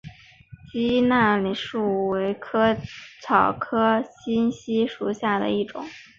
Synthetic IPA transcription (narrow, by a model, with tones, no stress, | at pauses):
t͡ɕi˥na˥˩li˨˩ʂu˥˩we˧˥ɪkʰɤ˥t͡sʰɑ˨˩ʊkʰɤ˥ɕi˥nɕi˥ʂu˨˩ɕja˥˩d̪ə̰˩i˥˩ʈ͡ʂʊ̰˨˩˦ŋ